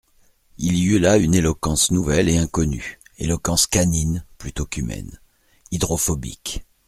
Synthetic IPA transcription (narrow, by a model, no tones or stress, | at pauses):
iliylaynelɔkɑ̃snuvɛleɛ̃kɔnyḛlɔkɑ̃skaninplyt̪okymɛ̰n | id̪ʁɔfɔbḭk